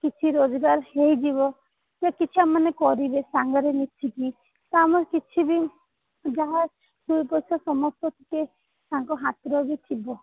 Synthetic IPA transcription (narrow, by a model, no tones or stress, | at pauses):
kit͡ʃʰiɾod͡ʒɡaɾɦejd͡ʒiβɔ | kiakit͡ʃʰuamanekɔɾibesaŋɡɔɾenit̪ʰiki | t̪ɔamɔɾkit͡ʃʰibi | d͡ʒaɦa | sujpɔjsɔsɔmɔst̪ɔt̪ʰe̥ke | aŋkɔɦat̪ɾɔɦbet̪ʰibɔ